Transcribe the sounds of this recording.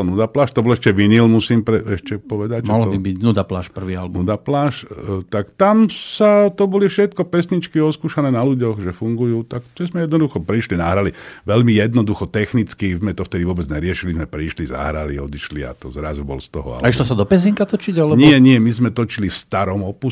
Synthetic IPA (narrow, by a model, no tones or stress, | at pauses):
nud̪aplaːʃt̪ɔbɔlɛʃcɛʋiɲilmusiːmpɾɛɛʃcɛpɔʋɛd̪acʒmɛaɦlbibiɟnud̪apla̰ːʃpr̩ʋiːalɛbnud̪aplaːʃt̪akt̪amsat̪ɔbɔlifʃɛt̪̚kɔpɛsɲit͡ʃkiɔskuːʃanɛːnaluɟɔɣʒɛfuŋɡujuːt̪akt̪ɛzmɛjɛd̪nɔd̪uxɔpɾiʃlinaɦɾaliʋɛʎmijɛd̪nɔd̪uxɔt̪ɛxnit͡skizmɛt̪ɔft̪ɛd̪iʋʊɔbɛd͡zɲɛɾɪɛʃilizmɛpɾiʃliza̰ɦɾaliɔd̪iʃlia̰t̪ɔzɾazubɔ̰lst̪ɔɦɔ̰a̰laiʃlɔsad̪ɔpɛziŋkat̪ɔt͡ʃiɟalɛɲɪɛɲɪɛmizmɛt̪ɔt͡ʃilifst̪aɾɔmɔpu